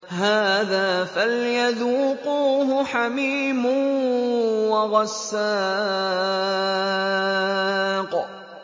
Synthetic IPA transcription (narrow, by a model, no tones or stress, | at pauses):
haːðaːfaljaðuːquːɦʊħamiːmʊ | wɑɣɑsːaː | q